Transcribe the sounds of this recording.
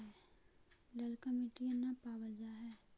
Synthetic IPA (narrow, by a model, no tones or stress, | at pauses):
ɦɛː | ləlkəmeʈiənapaːwəld͡ʒaɦɛː